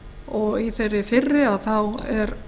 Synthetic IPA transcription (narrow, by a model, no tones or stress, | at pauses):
ɔɣiθejrːɪfɪrːɪaðθawɛɾ